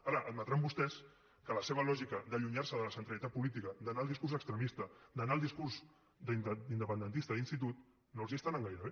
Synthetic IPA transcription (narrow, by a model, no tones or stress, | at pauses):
aɾəʔəd̪mət̪ɾambust̪ɛs | kələseβ̞əlɔʒikəd̪əʎuɲarsəðələsənt̪ɾəlit̪at̪̚pulit̪̬ikəd̪ənalˠd̪iskuɾrzəkst̪ɾəmist̪əd̪ənaːlˠd̪iskurz | d̪nind̪əpənd̪ənt̪ist̪əðinst̪it̪̬ut̪ | nolˠziəst̪anəŋɡajɾəβe